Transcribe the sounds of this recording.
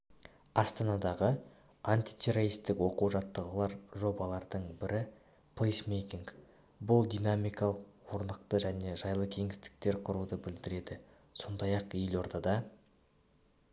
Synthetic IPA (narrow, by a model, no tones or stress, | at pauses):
ɑst̪ɑnɑd̪ɑʁə | ant̪ijt̪ʲʰe̞ɾoɾist̪ɪkwo̞quʒɑt̪ːəʁəlˠɑɾʒo̞bɑlˠɑɾd̪əɴbɪɾɪ | plˠejsmejkʲiŋk | bʊlˠd̪inamijkɑlˠəqwo̞ɾnd̪əqt̪əʒæne̞ʒɑjlˠəkʲʰe̞ŋɪst̪ɪ̥k̚t̪e̞ɾqʰʊɾud̪əbɪld̪ɪɾe̞d̪ɪ | so̞nd̪ɑjɑqjelo̞ɾt̪ɑd̪ɑ